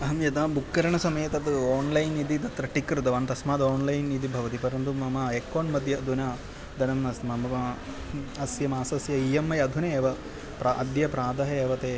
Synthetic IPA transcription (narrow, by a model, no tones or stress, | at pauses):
ɐɦɐmjɐt̪aːbukːɐɾɐɳɐsɐmɐjɐt̪ɐt̪ɨoːnlɐjnid̪it̪ɐt̪ɾɐʈikɾɨt̪ɐʋɐːnt̪ɐsmaːd̪oːnlɐjnid̪ibʱɐʋɐt̪ipɐɾɐnt̪umɐmɐekːoːnmɐd̪ʱjɐɐd̪ʱunɐ | d̪ɐnɐnɐsmɐmɐɐ | ɐsjɐmaːsɐsjɐijɐmːɐjɐd̪ʱuneeːʋɐ | pɾɐʔɐd̪jɐpɾaːd̪ɐɦɐeːʋɐt̪eː